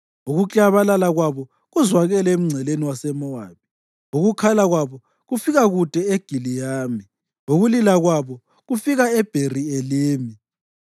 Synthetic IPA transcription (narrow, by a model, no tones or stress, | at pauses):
oɣut͡ɬʼaβalalaɣwaβɔ | ɣuzwaɣɛlɛem̩ŋ͡ǀʱɛleniwasɛmɔwa̰βi | oɣukʰalaɣwaβɔ | ɣufiɣaɣud̥ʼʱɛeɡ̥ʱilijaːmi | oɣulilaɣwaβɔ | ɣufiɣaɛb̥ʱerieliːmi